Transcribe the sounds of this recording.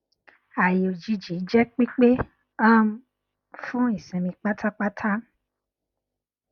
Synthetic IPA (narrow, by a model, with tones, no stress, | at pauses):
a˨ji˨o˨d͡ʒi˧d͡ʒi˨˦d͡ʒɛ˦k͡pi˦k͡pe˦ | ã˦m̩˦ | fũ˦i˦˨sɛ̃˨mĩ˧k͡pa˦tʰa˦k͡pa˦tʰa˦